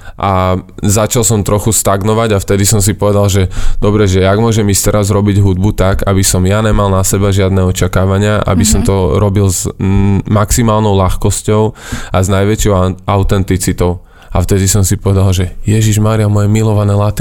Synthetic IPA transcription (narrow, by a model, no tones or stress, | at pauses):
ʔazat͡ʃalsɔmt̪ɾɔxust̪aɡnɔʋaɟaft̪ɛd̪isɔms̬ipɔʋɛd̪alʒɛd̪̥ɔbɾɛʒɛaɡmʊɔʒɛmist̪ɛɾazɾɔbiɟɦud̪̚but̪aɡabisɔmjaɲɛmalnasɛbaʒɪad̪nɛɔt͡ʃakaːʋaɲɪaʔa̰bisɔmt̪ɔɾɔbilz | maksimaːlnɔʊlaxkɔscɔʊaznajʋɛt͡ʃɔʊaʊt̪ɛnt̪it͡sit̪ɔʊ | aft̪ɛd̪isɔmsipɔʋɛd̪alʒɛjɛʒiʒmaːɾiamɔjɛmilɔʋanɛlat̪i